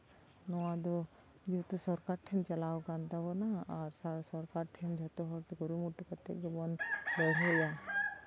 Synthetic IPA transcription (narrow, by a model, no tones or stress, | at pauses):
nɔwad̪ɔ | d͡ʒit̪usɔɾkaɾʈʰɛnt͡ʃalawkant̪abɔnaaɾsaɾsɔɾkaɾʈʰɛnd͡ʒʱɔt̪ɔɦɔɾt̪uɡɔɾumuʈukɔt̪ːɛ̰k̚d̪ɔbɔnlɔjɦɔja